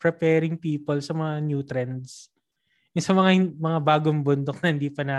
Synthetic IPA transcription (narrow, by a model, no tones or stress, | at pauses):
pɾɛpɛːɾɪŋpiːpolsɐmɐŋanjuːt̪ɾɛnd̪s | ʊsɐmɐŋamɐŋabaːɡoŋbʊnd̪ok̚nɐhɪnd̪iːpɐnɐ